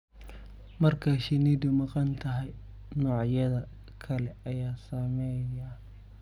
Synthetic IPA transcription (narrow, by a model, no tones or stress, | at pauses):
mɐrkʰɐʃɪniːd̪ʊmɑqɑnt̪ʰɐɦɛj | nɔːʕjɐðɐ | kʰɐlɛɐjaːsɐmɛjɐ